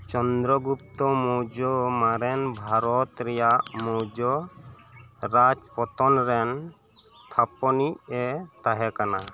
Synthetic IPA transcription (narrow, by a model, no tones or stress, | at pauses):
t͡ʃɔnd̪ɾɔɡup̚t̪ɔmɔwd͡ʒɔmaɾɛnbʱaɾɔt̪ɾɛjaʔmɔwd͡ʒɔ | ɾad͡ʒpɔt̪ɔnɾɛn | t̪ʰapɔniɛt̪aɦɛkana